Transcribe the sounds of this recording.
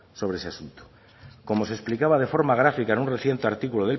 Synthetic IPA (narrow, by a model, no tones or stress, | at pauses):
so̞β̞ɾeeseasunt̪o̥ | ko̞mo̞sesplikaβað̞e̞fo̞ɾmaɣ̞ɾafikaenunreθje̞nt̪eaɾt̪ikuloð̞e̞l